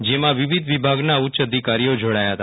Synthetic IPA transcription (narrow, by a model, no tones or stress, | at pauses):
d͡ʒemãʋiʋɪd̪ʱʋibʱaɡnaʊtːʃəd̪ʱikaɾijod͡ʒoɽajaɦət̪a